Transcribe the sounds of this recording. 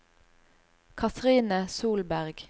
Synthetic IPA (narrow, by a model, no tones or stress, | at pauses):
kʰɑt̪ʁiːnəsuːlbæʁɡ